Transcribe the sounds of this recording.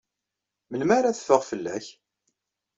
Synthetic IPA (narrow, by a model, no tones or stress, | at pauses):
mənmæɾæθə̥fːəʁfəlːæ̰ç